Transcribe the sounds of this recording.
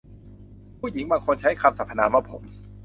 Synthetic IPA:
pʰuː˥˩ji˨˩˦ŋbaː˧ŋkʰo˧nt͡ɕʰa˦˥jkʰa˧msa˨˩pʰːa˧naː˧maː˧˩pʰo˩˦m

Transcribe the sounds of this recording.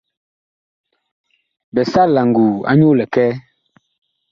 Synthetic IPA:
bɛ˨sa˦la˨ŋ˨ɡuː˨a̰˦ɲo˦lɛ˨kɛː˦

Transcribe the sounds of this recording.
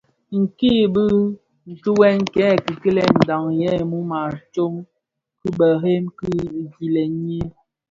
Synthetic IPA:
ŋ̩˨ki˦˨bɨ˦ | n̩˨tu˦wɛ˦ŋkɛ˨˦˨ki˨ki˦lɛ˨n̩˨da˨ŋjɛ˦˨mu˦ma˨t͡ʃo˦m | ki˦bə˨ɦe˦mki˦˨ɡi˨lɛ˨ɲe˦

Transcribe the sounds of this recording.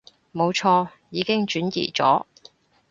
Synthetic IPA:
mo˨˧wt͡ʃʰɔː˧ | jiː˨˧kɪ˥ŋt͡ʃyː˨˥njḭː˨˩t͡sɔ̰ː˨˥

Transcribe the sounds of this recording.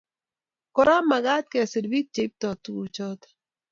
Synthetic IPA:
kɔ˦ɾa˦ma˨ɡa˦t̪̚ke˨se˨dbi˦t̚t͡ʃe˨˦p̚t̪ɔ˨t̪u˨t͡ʃɔ˦t̪

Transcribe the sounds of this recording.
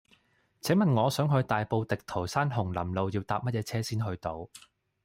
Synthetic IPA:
t͡sʰɛ˨˥ŋmɐ˨nŋɔː˨˧sœː˨˥ŋɦɵ˧ɥt̪aː˨jpo˧wt̪ɪ˨k̚t̪ʰo˨˩wsaː˥nɦʊ˨˩ŋlɐ˨˩mlo˨˧wjiː˧wt̪aː˨p̚mɐ˥t̚jɛː˧t͡sʰɛː˥siː˥nɦɵ˧ɥt̪o˨˧w

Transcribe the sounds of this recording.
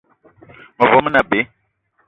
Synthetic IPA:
mə˨vɔ˨˦mə˦na˨be˨˦

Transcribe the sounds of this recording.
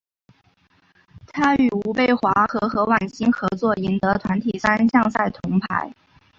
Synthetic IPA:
t̪ʰa˥y˨˩u˧˥pe˥˩ɪxwa˧˥xɤ˧˥xɤ˧˥wa˨˩nɕi˥nxɤ˧˥t͡swɔ˥˩i˧˥nt̪ɤ˧˥t̪ʰwa˧˥nt̪ʰi˨˩sa˥nɕjɑ˥˧ŋsa˥˩ɪt̪ʰʊ˧˥ŋpʰa˧˥ɪ

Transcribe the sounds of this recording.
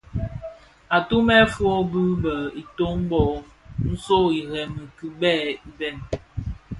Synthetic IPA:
a˨tu˦mɛ˦fwɔ˦bu˦bə˨i˨to˦m˦bɔ˨ | n̩˦so˦i˨ɾɛ˨mɨ˨kɨ˨bɛː˦˨i˦bɛ˦˨n

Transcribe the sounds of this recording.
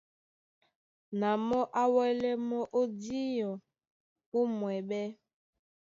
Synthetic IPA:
na˨mɔ˦ʔa˦wɛ˦lɛ˦mɔ˦ʔo˦di˦jɔ˨ | u˦mwɛ˨ɓɛ˦

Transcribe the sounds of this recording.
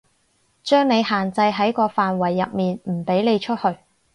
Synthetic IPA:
t͡ʃœː˥ŋne˨˧jɦaː˨˩nt͡sɐ˧jɦɐ˨˥jkɔː˧faː˨nwɐ˨˩jːɐ˨p̚miː˨nm̩˨˩pe˨˥jne˨˧jt͡ʃʰɵ˥t̚hɵ˧ɥ

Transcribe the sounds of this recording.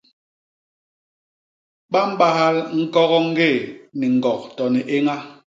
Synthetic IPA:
ɓa˦m̩˦ɓa˦ha˦lŋ̩˦kɔ˦ɣɔ˦ŋ̩˦ɡe˦˨ni˨ŋ̩˨ɔ˨k̚tɔ˨nɛ˨ʔe˦ŋa˦

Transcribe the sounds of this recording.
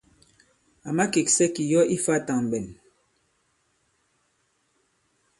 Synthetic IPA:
a˨ma˦ke˨k̚sɛ˦ki˨jɔ˦ʔi˦fa˦˨ta˨ŋ˨bɛ˨n

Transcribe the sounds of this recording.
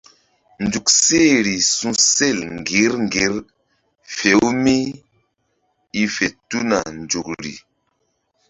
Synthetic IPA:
nd͡ʒu˨kse˦˨ɾi˨sũ˦se˦˨lŋɡi˨˦ɾŋɡi˨˦ɾ | fe˨˦wmi˦ | i˦fe˨tu˦na˨nd͡ʒu˨kɾḭ˨

